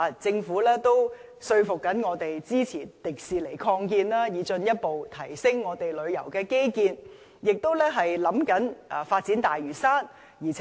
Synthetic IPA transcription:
a˨t͡sɪ˧ŋfu˨˥lɛː˥t̪o˥w | sɵ˧ɥfʊ˨k̚ːɐ˨˥nŋɔː˨˧t̪e˨jt͡siː˥t͡sʰiː˨˩t̪ɪ˨k̚siː˨le˨˩jkʰɔː˧ŋkiː˧nlaː˥jiː˨˧t͡ʃɵ˧njɐ˥t̚po˨wt̪ʰɐ˨˩jsɪ˥ŋːɔː˨˧t̪e˨jlɵ˨˧ɥjɐ˨˩wkɛː˧ke˥jkiː˧n | jɪ˨k̚t̪o˥wlɛː˥ɦɐ˨jlɐ˨˥mkɐ˨˥naː˨˩faː˧t̚t͡si˨˥nt̪aː˨jɥyː˨˩saː˥n | jiː˨˩t͡sʰ

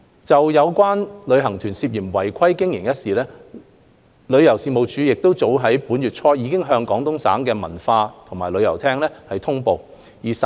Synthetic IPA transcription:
t͡sɐ˨wjɐ˨˧wkwaː˥nlɵ˨˧ɥɦɐ˨˩ŋt̪ʰyː˨˩nsiː˧p̚jiː˨˩mwɐ˨˩jkʷʰɐ˥jkɪ˥ŋjɪ˨˩ŋjɐ˥t̚siː˨˩lɛː˥ | lɵ˨˧ɥjɐ˨˩wsiː˧mo˨˧wt͡ʃyː˨jɪ˨k̚t̪o˥wt͡so˨˥wɦɐ˨˥jpuː˨˥nɥyː˨t̚t͡ʃʰɔː˥jiː˨˧kɪ˥ŋɦœː˧ŋkɔː˨˥ŋt̪ʊ˥ŋsa̰ː˨˥ŋkɛː˧mɐ˨˩nfaː˧t̪ʰʊ˨˩ŋmaː˨˩jlɵ˨˧ɥjɐ˨˩wt̪ʰɛː˥ŋlɛː˥hɐ˨jt̪ʰʊ˥ŋpo˨˧w | jiː˨˩s

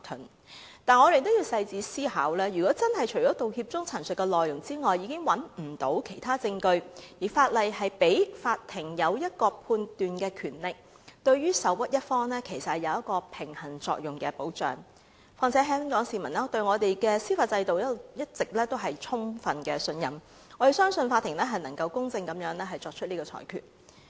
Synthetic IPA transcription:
t̪ʰʊ˨˩n | t̪aː˨nŋɔː˨˧ɾe˨˧jt̪o˥wjiː˧wsɐ˧jt͡siː˨˧siː˥ha̰ː˨˥wlɛː˥jɥyː˨˩kɔː˨˥t͡sɐ˥nɦɐ˨jt͡ʃʰɵ˨˩t͡ʃɔː˨˥t̪o˨whiː˧p̚t͡sʊ˥ŋt͡sʰɐ˨˩nsɵ˨t̚kːɛ˧lɔː˨jʊ˨˩ŋt͡siː˥ŋɔː˨jːiː˨˧˥kɪ˥ŋwɐ˨˥nm̩˨˩t̪o˨˧˥wkʰe˨˩jt̪ʰaː˥t͡sɪ˧ŋkɵ˧ɥjiː˨˩faː˧t̚lɐ˨jɦɐ˨jpe˨˥jfaː˧t̚t̪ʰːɪ˨˩ŋjɐ˨˧wjɐ˥t̚kɔː˧pʰuː˧nt̪yː˨nkɛː˧kʰyː˨˩nlɪ˨˩k̚ | t̪ɵ˧ɥɥyː˥sɐ˨˥wwɐ˥t̚jɐ˥t̚fɔː˥ŋlɛː˥kʰe˨˩jsɐ˨t̚hjɐ˨˧wjɐ˥t̚kɔː˧pʰɪ˨˩ŋhɐ˨˩nt͡sɔ̰ː˧k̚jʊ˨˩ŋkɛː˧po˨˥wt͡ʃœ̰ː˨ŋ | faː˧nt͡sʰɛː˨˥ɦœː˥ŋkɔː˨˥ŋsiː˨˩mɐ˨˩nlɛː˥t̪ɵ˧ɥŋɔː˨˧t̪e˨jkɛː˧siː˥faː˧t̚t͡sɐ˧jt̪o˨wjɐ˥jɐ˥t̚t͡sɪ˨k̚lɛː˥t̪o˥wɦɐ˨jt͡sʰʊ˥ŋfɐ˨nkɛː˧sɵ˧njɐ˨m | ŋɔː˨˧ɾe˨˩sœː˥ŋsɵ˧nfaː˧t̪ʰːɪ˨˩ŋlɛː˥ɦɐ˨jnɐ˨˩ŋkɐ˧wkʊ˥ŋt͡sɪ˧ŋkɐ˨˦mjœː˨˥ŋlɛ˥ɦɐ˨jt͡ʃɔː˧k̚t͡ʃʰɵ˥t̚niː˥kɔː˧t͡ʃʰɔ̰ː˨˩jkʰy̰ː˨˩t̚

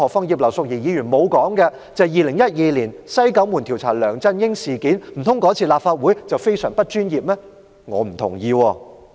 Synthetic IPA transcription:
ɔː˨˩fɔ˥ŋjiː˨˧p̚lɐ˨˩wsʊ˨k̚jiː˨˩jiː˨˧jyː˨˩nmo˨˧wkɔː˨˥ŋkɛ˧ | t͡sɐ˨˧jiː˨˧lɪ˨˩ŋjɐ˥t̚jiː˧liː˨˩nsɐ˥jkɐ˨˥wmuː˨˩nt̪ʰi˨˩wt͡sʰaː˨˩lœː˨˩ŋt͡sɐ˥njɪ˥ŋsiː˨˩kiː˨˥nm̩˨˩t̪ʰʊ˥ŋkɔː˨˥t͡sʰiː˧laː˨p̚faː˧t̚wuː˨˥jt͡sɐ˨wfe˥jsœː˨˩ŋpɐ˥t̚t͡ʃyː˥njiː˨p̚lɛː˥ | ŋɔː˨˧m̩˨˩t̪ʰʊ̰˨˩ŋjiː˧wɔː˧

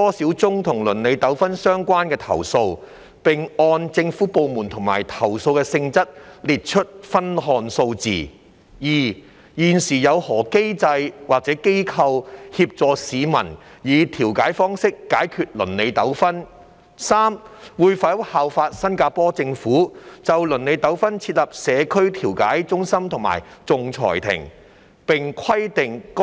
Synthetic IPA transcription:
t̪ɔː˥siː˨˥wt͡sʊ˥ŋt̪ʰʊ˨˩ŋlɵ˨˩nle˨˧jt̪ɐ˨˥wfɐ˥nsœː˥ŋkʷaː˥nkɛː˧t̪ʰɐ̰˨˩wso˧w | pɪ˨ŋɔː˧nt͡sɪ˧ŋfuː˨˥po˨˧wmuː˨˩nt̪ʰʊ˨˩ŋma̰ː˨˩jt̪ʰɐ˨˩wso˧wkɛː˧sɪ˧ŋt͡sɐ˥t̚liː˨t̚t͡ʃʰɵ˥t̚fɐ˥nɦɔː˧nso˧wt͡sḭː˨ | jiː˨ | jiː˨˩nsiː˨˩jɐ˨˧whɔː˨˩ke˥jt͡sɐ˧jwaː˨k̚t͡sɛː˨˥ke˥jkʰɐ˧whiː˧p̚t͡sɔː˨˧siː˨˧mɐ̰˨˩njiː˨˧t̪ʰiː˨˩wkaː˨˥jfɔː˥ŋsɪ˥kːaː˨˥jkʰyː˧t̚lɵ̰˨˩nle˨˧jt̪ɐ˨˥wfɐ˥n | saː˥mwuː˨˧jfɐ˨˥haː˨wfaː˧t̚sɐ˥nkaː˧pɔː˥t͡sɪ˧ŋfuː˨˥t͡sɐ˨wlɵ˨˩nle˨˧jt̪ɐ˨˥wfɐ˥nt͡sʰiː˧t̚lɐ˨p̚sɛː˨˧kʰɵ˥ɥt̪ʰiː˨˩wka̰ː˨˥jt͡sʊ˥ŋsɐ˥mt̪ʰʊ˨˩ŋma̰ː˨˩jt͡sʊ˨ŋt͡sʰɔ̰ː˨˩jt̪ʰɪ̰˨˩ŋ | pɪ˨ŋkʷʰɐ˥jt̪ɪ˨ŋk

